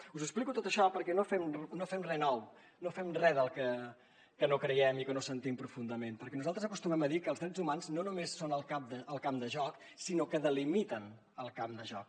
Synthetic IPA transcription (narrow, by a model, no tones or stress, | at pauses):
uzəksplikut̪ot̪əʃɔpəɾkɛnofɛmnofɛmrɛnɔw | nofɛmrɛðəlˠkə | kənokɾəjɛmikənosənt̪impɾufund̪əmenpəɾkɛnuzalˠt̪ɾəzəkust̪umɛməðikəːlˠzðɾɛd͡zumanznonumesːonəlˠkap̚d̪əʔəlˠkamd̪əʒɔk | sinokəðəlimit̪ən | əlˠkamd̪əʒɔ̰k̚